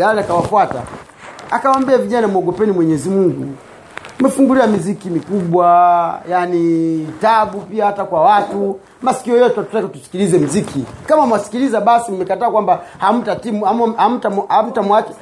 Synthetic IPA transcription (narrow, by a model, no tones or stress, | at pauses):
aliakawapwata̰ | a̰kawaːmbiaviʄanamuɔɡɔpɛnimwɛɲɛzimuŋɡṵ | mɛfuŋɡuliamizikimikuɓwajanitaɓupiahatakwawatu | masi̥kiɔjɔtatutakatu̥si̥kilizɛm̩zikʰikamamwasi̥kilizaɓasimumɛkataːkwambaham̩tatimuaam̩tamam̩tamwat͡ʃɛ